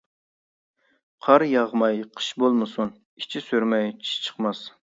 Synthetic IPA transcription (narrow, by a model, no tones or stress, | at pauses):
qʰɑɾjɑʁmɑjqʰə̥ʃbolˠmɨsun | it͡ʃʰisyɾmɛjt͡ʃʰi̥ʃt͡ʃʰə̥qmɑs